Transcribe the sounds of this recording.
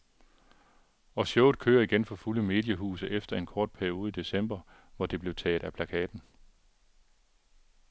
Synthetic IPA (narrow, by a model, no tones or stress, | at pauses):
ɒ̽ɕjɔʊð̥ˠkʰø̰ːɐiɡ̥enfɒ̽fuləme̝̰ːd̥jəɦṵːsəʔefd̥ɐe̝nkʰɒːd̥̚pʰæɐio̝ːð̞̩ˠid̥e̝sem̰b̥ɐ | ʋɒd̥e̝b̥le̝ʊt͡sʰɛ̰ːd̥ˠæpʰlækʰɛ̰ːd̥n̩